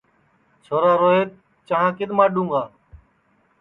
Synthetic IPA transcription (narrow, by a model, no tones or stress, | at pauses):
t͡ʃʰoːɾaːɾoːɦeːt̪ | t͡ʃəɦãːkɪd̪maːɗũːŋɡaː